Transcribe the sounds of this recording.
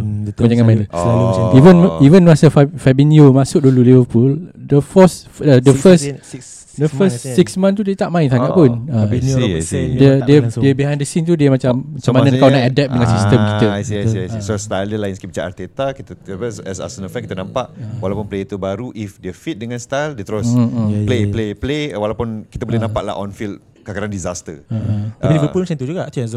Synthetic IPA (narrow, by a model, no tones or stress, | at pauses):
kmad͡ʒaŋãmãĩnlaivənivənɹasəfafɛbiniomasʊk̚dululivəpuldəfɔs | ədəfəs | dəfəssiksmãnt̪udet̪aʔmãinsaŋaʔpunə | dədədiəbiɦãj̃ndəsint̪udiəmat͡ʃammat͡ʃamãnãkawunaʔadɛp̚dəŋãnsist̪əmkiəsisost̪aləlajinskibit͡ʃaʔa̰t̪et̪akit̪əəspəsɛsa̰sənəfɛ̃nkit̪ənãmpaʔwalawpunplet̪ubaɾuʔifdiəfit̪̚dəŋanst̪ajldiət̪əɾʊsplepleplewalawpunkit̪əbolɛnãmpaʔla̰ʔɔ̰nfil | kakaɾandizast̪əətapilibəpulmaãnt̪ud͡ʒuɡaʔt̪uãz